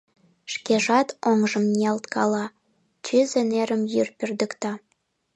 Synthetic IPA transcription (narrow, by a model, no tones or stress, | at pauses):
ʃkeʒɑt̪oŋʒə̆mnʲelt̪kɑlɑ | t͡ɕyzeneɾəmjyrpird̪əkt̪ɑ